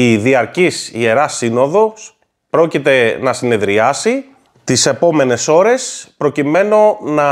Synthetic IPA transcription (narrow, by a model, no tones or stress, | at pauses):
iðiɐɾcisie̞ɾɐsino̞ðo̞s | pɾo̞cit̪e̞nɐsine̞ðɾiɐsi | t̪ise̞po̞me̞ne̞so̞ɾe̞spɾo̞cime̞no̞nɐ